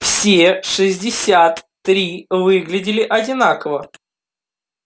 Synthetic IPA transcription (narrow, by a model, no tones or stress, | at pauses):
fsʲeʂɨzʲdʲɪsʲat̪ː | ɾʲivɨɡlʲɪdʲɪlʲɪʔɐdʲɪnakəvə